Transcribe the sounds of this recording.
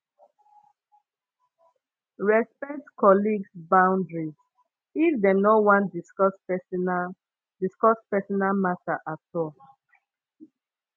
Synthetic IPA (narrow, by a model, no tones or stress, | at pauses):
ɹɛspɛtkɔliɡsbãʊ̃ndɹiz | ifdɛnowãndiskɔs | diskɔspɛsɔnalmataʔatɔl